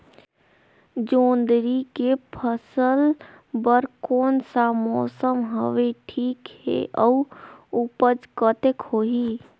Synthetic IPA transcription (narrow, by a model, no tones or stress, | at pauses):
d͡ʒoːnd̪ɾikepʰəsəl | bəɾkoːnsamɔsəmɦəʋeʈʰikhḛʔəuupəd͡ʒkət̪ekhoɦi